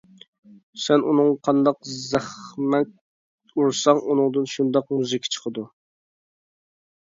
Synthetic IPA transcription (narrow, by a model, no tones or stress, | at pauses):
sɛnunɨŋqʰɑnd̪ɑqzæχmɛt̪̚ | uɾsɑŋunɨŋd̪ɨnʃund̪ɑqmuzɨkʲʰi̥t͡ʃʰə̥qʰəd̪u